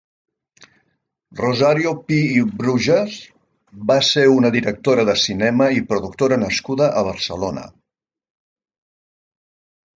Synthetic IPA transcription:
rozaɾiupiːbɾuʒəs | baseunəðiɾək̚t̪oɾəðəsinɛməipɾuðuk̚t̪oɾənəskuðəʔəβ̞əɾsəlonə̰

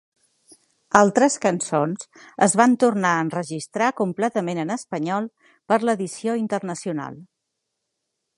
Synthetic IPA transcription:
alˠt̪ɾəskənsonz | əzβant̪urnaənrəʒist̪ɾakumplɛt̪əmenənəspəɲɔlˠ | pəɾləðisioint̪ərnəsiuna̰lˠ

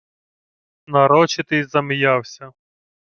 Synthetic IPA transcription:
nɐɾɔt͡ʃɪt̪ɪzɐmɪjawsʲɐ

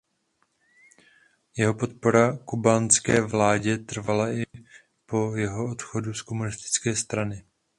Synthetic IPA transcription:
jɛɦo̞po̞t̪̚po̞ɾakubanskɛːvlaːɟɛt̪r̩valaʔɪ | po̞jɛɦo̞ot̪xo̞dusko̞munɪst̪ɪ̥t͡skɛːst̪ɾanɪ

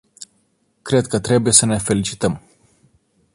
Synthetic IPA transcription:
kɾe̞d̪̚kət̪ɾe̞buje̞səne̞fe̞lit͡ʃi̥t̪əm

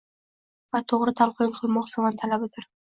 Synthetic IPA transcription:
vat̪ʰoʁɾɪt̪ʰalˠqɨjɪŋqʰɨlˠmɒqsɪmant̪ʰalabɪt̪ʰɪɾ

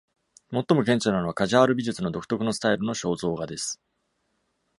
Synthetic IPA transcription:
mo̞t̪ːo̞mo̞kẽɲ̟t͡ɕonano̞βakaʑaβaɾɯ̟bʲiʑɨt͡sɨno̞d̪o̞kɯ̟̥t̪o̞kɯ̟nosɨ̥t̪aiɾɯ̟no̞ɕo̞ːzo̞ːɡad̪e̞sɨ̥

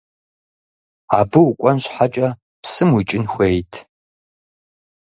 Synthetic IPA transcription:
a̰ːbɨwʊkʷʼɔnɕħat͡ʃʼɐ | psɨmwit͡ʃʼɪnxʷejtʰ

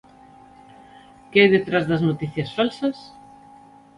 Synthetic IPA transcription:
kɪajðet̪ɾazðɐznot̪iθjɐsfalsɐs

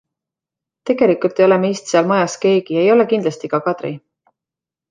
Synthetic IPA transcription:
t̪e̞ɡ̥e̞likˑult̪ˑejo̞le̞meist̪seɑlmɤjɑske̞ːɡ̥iɑejo̞le̞kind̪lɑst̪ikɑkɑd̪̥ɾḭ

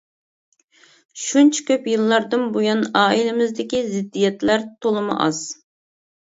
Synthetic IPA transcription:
ʃunt͡ʃʰɛ̥kʲøpjɨlˠːɑɾd̪ɨnbujɑnɑːilɪmɪzd̪ɪkʲizɪd̪ːijɛt̪læɾt̪ʰolˠɨmɨ̰ʔɑ̰z̥

